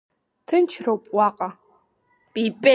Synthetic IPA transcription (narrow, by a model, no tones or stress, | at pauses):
tʰɨnt͡ʃʰrɐwpʼwɑːqʼɐ | pʼipʼe